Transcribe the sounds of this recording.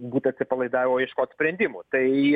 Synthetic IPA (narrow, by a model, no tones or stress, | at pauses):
buːt̪ɐt̪ʲsʲɪpɐlˠɐɪd̪ɑːʋʲɪmoːjɛʃkoːt̪sʲpʲɾʲɛnʲd̪ʲɪmut̪ɐɪ